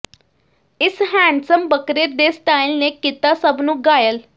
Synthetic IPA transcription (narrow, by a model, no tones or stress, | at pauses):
isɦæ̃ɳsəmbəkɾeɾd̪est̪ailnekːit̪asəbnuːɡajəl